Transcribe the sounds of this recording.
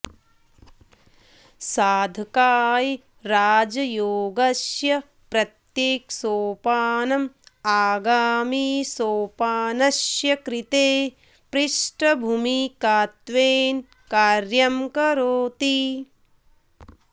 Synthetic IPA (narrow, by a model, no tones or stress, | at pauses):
saːd̪ʱɐkaːji | ɾaːd͡ʒɐjoːɡɐsjɐ | pɾɐt̪jeːksoːpaːnɐmaːɡaːmiːsoːpaːnɐʃjɐkɾit̪eː | pɾiʂʈɐbʱumikaːt̪ʋeːn | kaːɾjɐmkɐɾoːt̪i